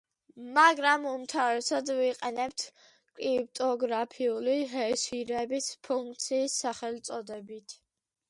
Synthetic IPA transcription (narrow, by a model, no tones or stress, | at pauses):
maɡɾamumt̪ʰavɾɛsad̪viqʼɛnɛp̚t̪ʰ | kʼlip̚t̪ʼɔɡɾapʰiuliɦɛʃiɾɛbispʰuŋk̚ʰt̪sʰiːsːaχɛlt̪sʼɔd̪ɛbit̪ʰ